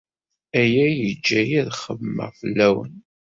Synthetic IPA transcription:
æjæjəd͡ʒːæjiðχəvmə̰ʁfəlːæwə̰n

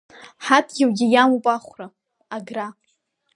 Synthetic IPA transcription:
ħatʰɡʲɪwɡʲijamupʼaχʷra | aɡra

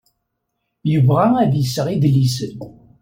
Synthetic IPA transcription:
jəvʁaæðjəsəʁiðlisən

